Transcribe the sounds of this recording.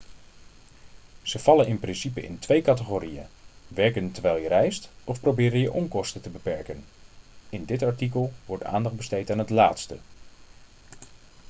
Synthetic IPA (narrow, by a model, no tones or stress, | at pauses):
z̥əv̥ɑlənɪnprɪnsipəɪ̰ntʋejkɑtəχoːɾijə̰ʋɛɹkəntəɹʋɛjlˠjərɛjstɔfprowbɪːɾənjəʔɔŋkɔstətəbəpɛɹkən | ɪndɪtɑɹtik̬əlˠʋɔɹta̰ːndɑχdbəstejtaːnɦətla̰ːtstə̰